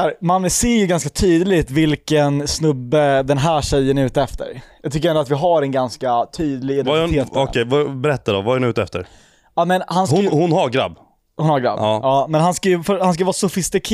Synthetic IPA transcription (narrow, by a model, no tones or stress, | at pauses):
æɾmanːəseːɾjɵɡanskat̪ʰyːd̪lɪt̪vɪlkənsnɵbːəd̪ɛnɦæːʂɛjːənʉ̟ːt̪əɛft̪ə̰ɾjɑːɡ̚t̪ʏkːəɾɛnd̪ʊat̪vɪɦaɾɛnɡanskat̪ʰyːd̪lɪɡɪd̪ɛneːt̪ɔ̰kʰɛjvabɛɾɛt̪ːad̪ɔ̰vaæɾnɪʉ̟ːt̪ɛft̪ə̰ɾ | amɛnhanshhʊnhaɾɡɾa̰b | hʊnhaɡɾa̰bːɑːmɛnɦanskajɵfœhansk̬ajvɑːsʊfɪst̪ɪkʰː